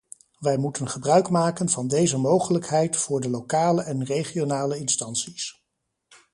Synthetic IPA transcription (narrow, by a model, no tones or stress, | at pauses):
ʋɛjmutənχəbrœɥkmaːkənvɑndejzəmowχələkɦɛjtfʊːɹdəlokaːləʔɛnrejχionaːləɪnstɑnsis